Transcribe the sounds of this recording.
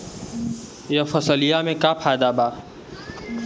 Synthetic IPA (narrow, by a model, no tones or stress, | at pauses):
jɐfəsəlijaːmẽkaːpʰaːd̪aːbaː